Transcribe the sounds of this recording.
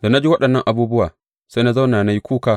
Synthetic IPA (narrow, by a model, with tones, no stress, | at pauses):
da˨na˦d͡ʒi˦wɐ˦ɗɐ˨nːɐ˦ŋʔa˨buː˦bʊ˦waː˨ | sa˦na˦za˦wnaː˨na˦ji˦kʷuː˦kaː˦